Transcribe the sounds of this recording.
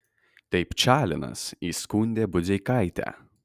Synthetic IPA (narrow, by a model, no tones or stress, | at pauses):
t̪ʲɐɪpt͡ʃʲæːlʲɪnɐ̰siːskuːnʲd̪ʲeːbʊzʲɛɪkɐɪt̪ʲæ̰ː